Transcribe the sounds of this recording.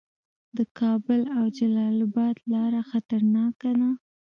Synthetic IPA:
d̪əkɑbəlawd͡ʒalɑlabɑt̪lɑɾaxat̪aɾnɑkana

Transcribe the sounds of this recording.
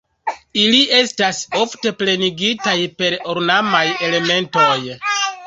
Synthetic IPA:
iliʔe̞staso̞fte̞ple̞niɡitajpe̞ɾoɾnamaje̞le̞me̞nto̞j

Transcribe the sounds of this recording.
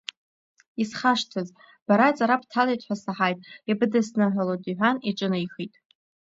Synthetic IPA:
isχaʂtʰɨz | b̥aɾat͡sʼaɾapʰtʰalajtʰħʷᶣasaħajtʼibɨdɨsnɨħʷalodiħʷᶣaniʈ͡ʂʷʼɨnɨjχitʼ

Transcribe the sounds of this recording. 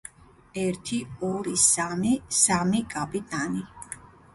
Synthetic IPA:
ɛɾt̪ʰiɔɾisamisamikʼapʼit̪ʼani

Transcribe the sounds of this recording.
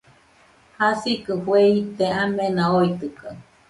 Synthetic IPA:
hasikɨhwehit̪eamẽnãoit̪ɨka

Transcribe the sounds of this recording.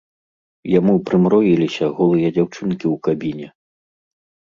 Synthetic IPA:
jamupɾɨmɾɔjilʲisʲɐɣɔlˠɨjɐd͡zʲawt͡ʂɨnkʲiwkabʲinʲɛ

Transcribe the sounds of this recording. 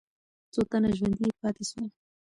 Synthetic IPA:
t͡sot̪anaʒwand̪ipɑt̪eʃwal

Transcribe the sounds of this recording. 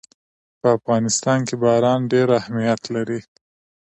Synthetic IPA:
pəafɣɑnɪst̪ɑnkebɑɾɑnɖeɾahmijat̪laɾi

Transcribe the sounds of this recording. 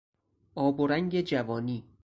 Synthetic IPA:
ʔɒːboɾæŋɟed͡ʒævɒːniː

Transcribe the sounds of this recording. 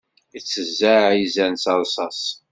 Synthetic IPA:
it͡sːəzːæizænsɑlˤsˤɑs

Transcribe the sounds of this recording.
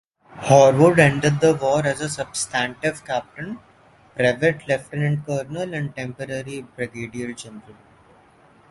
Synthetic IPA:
hɔːɾʋəɖɛ̃ɳɖəɖ̚d̪əʋɔːɾæzəsʌbsʈæ̃ɳʈɪʋkæp̚ʈə̃n | pɾaɪʋeʈlɛfʈə̃nɪ̃ɳkəːɾnəlæ̃ɳɖʈɛ̃mpəɾəɾibɾeɡeːɖiəld͡ʒɛ̃nɾəl

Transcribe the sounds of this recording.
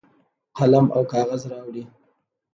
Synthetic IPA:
qalama̰wkɑɣazɾɑwɽi

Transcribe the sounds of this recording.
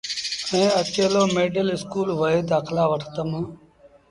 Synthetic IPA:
ẽːət͡ʃeːloːmeːɖəlɪskuːlʋəeːd̪aːxlaːʋəʈʰt̪əmãː

